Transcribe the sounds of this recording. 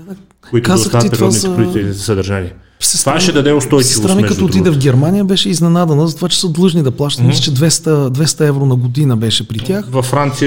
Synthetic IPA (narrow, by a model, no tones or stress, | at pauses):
oit̪kazət̪t̪it̪vaizɐt̪ɛinzɛsəd̪əɾʒaniɛ | sɛst̪vaʃɛd̪ɐd̪ɛʊst̪ɔjsst̪ɾamikɐt̪oot̪id̪ɛvɡʲɛɾmanʲijəbɛʃɛiznɛnad̪ɛnəzɐt̪ovat͡ʃɛ̥səd̪lˠɤʒnid̪ɐplˠaʃt̪ɐt̪mislɛt͡ʃɛd̪vɛst̪əd̪vɛst̪ɐɛvɾonɐɡod̪inəbɛʃɛpɾit̪ʲjaxvɐfːɾant̪si